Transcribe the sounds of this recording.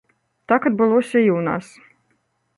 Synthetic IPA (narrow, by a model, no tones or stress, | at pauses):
t̪akat̪̚bulˠusʲɛjuːna̰ːs